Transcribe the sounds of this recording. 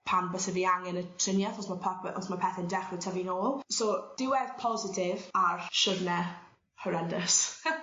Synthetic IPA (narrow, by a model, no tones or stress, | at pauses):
pʰanbəsɛviːaŋɛnətʰr̥ɪnjaθɔsmapʰʔɔsmapʰɛθɛndɛχwɪtʰɛvinoːlˠsod̥ɪwɛðpʰɔzɪtʰɪvarʃəvnɛ | həɾɛndəs